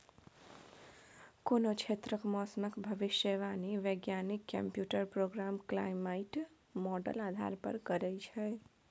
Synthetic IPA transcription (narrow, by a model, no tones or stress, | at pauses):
konot͡ʃʰet̪ɾəkmɔsməkbʱəʋiʃjəʋaniʋəɡjanikːə̰mpjuʈəɾpɾoɡɾamkla̰jmaiʈ | mɔɖə̰lad̪ʱa̰ɾpə̰ɾkəɾɛt͡ʃʰɛ